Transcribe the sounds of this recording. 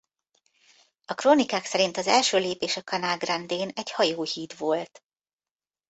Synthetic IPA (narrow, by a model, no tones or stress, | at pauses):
ɒkroːnikaːksɛɾint̪ɒzɛlʃøːleːpeːʃɒkɒnaːlɡrɛnd̪eːnɛɟhɒjoːhiːt̪ʋo̞lt̪